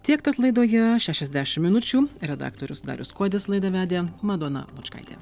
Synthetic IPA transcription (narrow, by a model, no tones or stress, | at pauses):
t̪ʲiɛkt̪ɐt̪lˠɐɪd̪oːjɛʃʲæːʃʲɛzʲd̪ʲæʃʲɪmmʲɪnʊt͡ʃʲuːɾʲɛd̪ɑ̰ːkt̪oːɾʲʊsd̪ɑ̰ːɾʲʊskoːd̪ʲeslˠɐɪd̪ɐʋʲæːd̪ʲeːmɐd̪oːnɐ̰lˠʊt͡ʃkɐ̰ɪt̪ʲḛː